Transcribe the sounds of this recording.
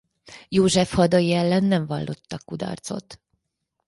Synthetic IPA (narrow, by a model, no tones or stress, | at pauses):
joːʒɛfhɒd̪ojiɛlːɛnːɛɱvɒlːʔo̞t̪ːɒkːud̪ɒ̰rt̪so̞̰t̪